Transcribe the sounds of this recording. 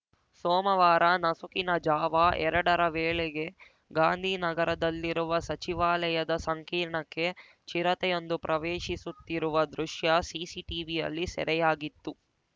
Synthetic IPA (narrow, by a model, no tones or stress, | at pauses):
soːmɐʋaːɾɐnɐsukinɐd͡ʒaːʋɐʔɛɾɐɽɐɾɐʋeːɭeɡe̞ | ɡaːnd̪ʱiːnɐɡɐɾɐd̪ɐlːiɾuʋɐsɐt͡ʃiʋaːlɐjɐd̪ɐsɐŋkiːɾɳɐkːe̞ | t͡ʃiɾɐt̪ɛjond̪upɾʔɐʋeːʃisut̪ːiɾuʋɐd̪ɾuʃjɐsiːsiʈiːʋijɐ̰lːisɛ̰ɾɛjaːɡit̪ːu